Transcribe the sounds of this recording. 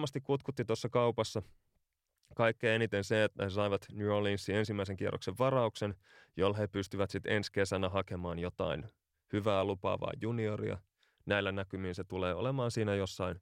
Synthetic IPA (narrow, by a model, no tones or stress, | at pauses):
mːɑst̪ikkut̪kut̪ːit̪osːɑkɑupɑsːɑ | kɑikːeːenit̪enset̪esɑiʋɑt̪njuolinsːie̞nsimːæis̬eŋkierːʔo̰kseʋʋɑrɑuksen | jolːhepyst̪yʋæt̪sit̪enske̞sænæɦɑkemɑːnjot̪ɑ̰in | hyʋæːlupɑ̰ːʋɑ̰ijjuniorḭɑ̰ | næilːænækymiːnset̪uleːo̰lemɑːnsiːnæjosːɑin